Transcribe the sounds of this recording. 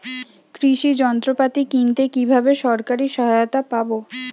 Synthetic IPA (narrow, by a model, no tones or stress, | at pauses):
kɾiʃid͡ʑɔnt̪ɾopat̪ikint̪ekibʱabeʃɔɾkaɾiʃɔɦaot̪apabo